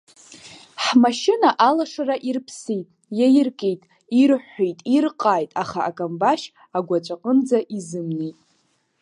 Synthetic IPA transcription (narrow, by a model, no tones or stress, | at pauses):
ħmaʃɪnaʔalaʂaraʔirpʰsitʼjajɪrkʼejtʼ | irħʷejtʼirqʼaːjtʼaχaakʼambaʃ | aɡʷat͡ʃʷʼaqʼənd͡zaʔizɨmnejtʼ